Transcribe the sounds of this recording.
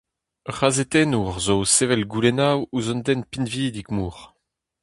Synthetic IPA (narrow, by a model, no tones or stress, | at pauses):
ʁazet̪ɛnuʁzosevɛlɡulɛnawuzɔ̃nd̪ɛnpinviːd̪ikmuːʁ